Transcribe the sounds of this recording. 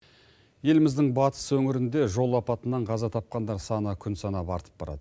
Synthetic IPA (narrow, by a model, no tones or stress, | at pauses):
je̞lɪmɪzd̪ɪŋbɑt̪ə̥swɵŋɪɾɪnd̪e̞ʒo̞lˠɑpɑt̪ənɑɴqʰɑzɑt̪ʰɑp̚qɑnd̪ɑɾsɑnəkʲʰʏnsɑnɑpɑɾt̪ʰə̥p̚bɑɾɑ̰d̪̥ə